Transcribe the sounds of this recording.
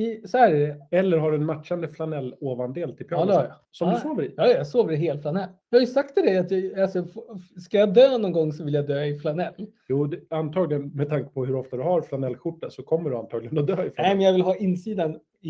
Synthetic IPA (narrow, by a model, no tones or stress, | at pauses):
ɪsɔhæːɾæɖɛɛlːəɾɦaɖɵɛnmat̪ʂand̪əflanɛlːoːvand̪eːlt̪ʰɪlpʰɪɑd̪ɛhja | sɔmd̪ɵsoːvəɾɪ̰jɑːjjasoːvəɾɪɦeːlflanɛlːjɑːhajɵsakt̪ʰːɪld̪ɛat̪jaasɔskajad̪øːnɔnɡɔŋːsɔvɪljad̪øːɪflanɛlːjuːd̪ɛant̪ʰɑːɡlɪɡənmɛd̪̚t̪ʰaŋkə̥pʰɔɦɵɾɔft̪ad̪ɵɦaɾflanɛlːɧʊʈːasɔkʰɔmːəɖɵa̰nt̪ʰɑːɡlɪɡənɔd̪øːɪflaɛmɛnjavɪlɦɑːɪnsiːd̪an